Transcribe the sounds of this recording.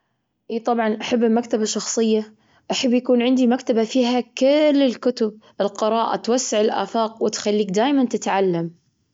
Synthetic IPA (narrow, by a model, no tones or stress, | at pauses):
ʔiːt̪ˤɑbʕɑnʔaħabːɪlmakt̪abaʃɑxsˤɨjːa | ʔaħabːjakuːnʕɪnd̪imakt̪abafiːɦakɪlːɪlkʊt̪ʊb̚ | ɪlqɨɾˤɑːʔa̰t̪wasːɪʕɪlʔa̰ːfɑːq̚wɪt̪xalːiːk̚d̪aːjmant̪ɪt̪ʕalːam